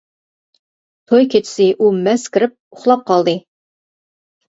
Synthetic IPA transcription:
t̪ʰojkʲʰet͡ʃ̪ʰɪ̥sɪʔumɛskʲɪɾɪp̚ʊχlˠɑp̚qʰɑlˠd̪ɨ

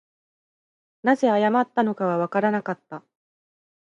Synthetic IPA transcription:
naze̞ajamat̪ːano̞kaβaβ̞akaɾanakat̪ːa

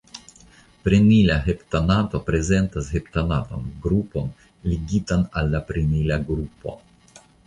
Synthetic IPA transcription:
pɾenilaɦeptanatopɾe̞ze̞ntashe̞p̚tanata̰nɡɾupo̞n | liɡitanalːapɾenilaɡɾupo̞̰

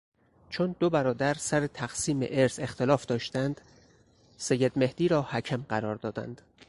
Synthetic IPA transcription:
t͡ʃʰond̪obæɾɒːd̪æɾsæɾet̪ʰæɣsiːmḛʔeɾse̞xt̪elɒːfd̪̥ɒːʃt̪ænd̪̥ | sejːed̪me̞hd̪iːɾɒːhæcʰæmɢæɾɒːɾd̪ɒːd̪æ̰nd̪̥

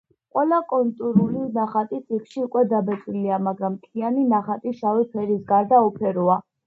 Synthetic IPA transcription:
qʼwɛlakʼɔnt̪ʼuɾulinaχat̪ʼit̪sʼikʰʃiukʼwɛd̪abɛt̪sʼwiliamaɡɾamt̪ʰianinaχat̪ʼiʃawipʰɛɾisɡaɾd̪aɔpʰɛɾua

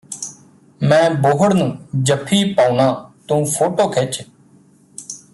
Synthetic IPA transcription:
mɛ̃ːboːɦəɽnũːd͡ʒəpʰːiːpaːunãːt̪ũːpʰoːʈoːkʰeːt͡ʃ

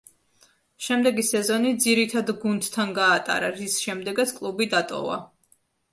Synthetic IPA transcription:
ʃɛmd̪ɛɡisɛzɔnid̪ziɾit̪ʰad̪ɡund̪t̪ʰːanɡaːt̪ʼa̰ɾaɾisʃɛmd̪ɛɡat̪sʰkʼlˠubid̪at̪ʼɔ̰va̰

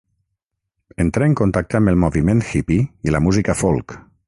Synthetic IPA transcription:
ent̪ɾaeŋkont̪ak̚t̪əambelˠmoβiment̪xipiilamuzikafolˠk

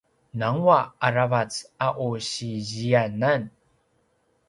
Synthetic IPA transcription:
naŋwaaɾavat͡saʔoɕiʑianan

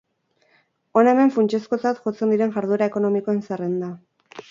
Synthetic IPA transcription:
o̞neme̞ɱfunt͡ʃesko̞t͡sat̪ʝo̞t͡se̞nd̪iɾe̞ŋʝaɾðuɾae̞ko̞no̞miko̞enserend̪a

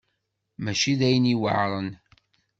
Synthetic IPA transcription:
mæʃiðæjəniwə̰ʕɾˤən

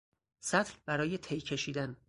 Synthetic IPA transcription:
sæt̪ʰlbæɾɒːjet̪ʰejcʰe̞ʃiːd̪æn

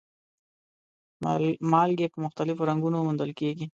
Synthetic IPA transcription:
mɑlɡepəmʊxt̪alɪfoɾaŋɡunomʊnd̪əlkeɡi

